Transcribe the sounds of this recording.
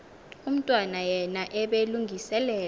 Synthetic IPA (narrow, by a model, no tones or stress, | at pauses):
um̩tʼwanajɛnaʔɛɓeluŋɡʱisɛlɛː